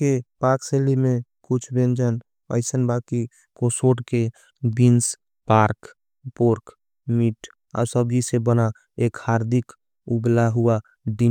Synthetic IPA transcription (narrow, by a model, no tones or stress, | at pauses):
kepaɾkselimekut͡ʃʰbẽnd͡ʒən | ə̰ɪsənbaki | kosoʈke | bins | paɾk | poɾk | miʈ | a̰səbd͡ʒisebəna | ekhaɾd̪ik | ublaɦua | ɖi